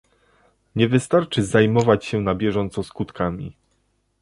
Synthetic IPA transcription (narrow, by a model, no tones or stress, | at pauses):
ɲɛvɘst̪aɾt͡ʂɘzajmɔvat͡ɕɕɛnabʲjɛʐɔnt̪sɔskut̪kamʲḭ